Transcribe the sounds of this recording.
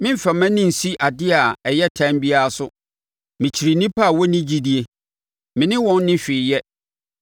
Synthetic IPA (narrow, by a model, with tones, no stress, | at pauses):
mɪ̃˦m̩˦fɛ˨mæ̃˦nɪ̃˦n̩˨si˦ʔa˨dɪ˦a˨ɛ˨jɛ˦tʰã˦mbi˦a˦a˨sʊ˦ | mɪ̃˨t͡ɕʰi˨ɾi˨nĩ˦pʰa˦˨wɔ˦nɪ̃˦d͡ʑi˦di˦e˦ | mɪ̃˨nɪ̃˦wɔ̃˦nːɪ̃˦ɕᶣɪ˨jɛ˦